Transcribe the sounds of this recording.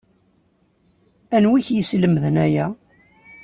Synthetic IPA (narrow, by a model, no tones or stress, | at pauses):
ænwiçjəsləmðənæjæ